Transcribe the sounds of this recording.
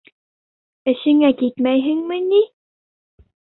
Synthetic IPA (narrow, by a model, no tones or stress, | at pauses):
ɘ̆ɕɘŋækit̪mæjɦɘŋmənʲi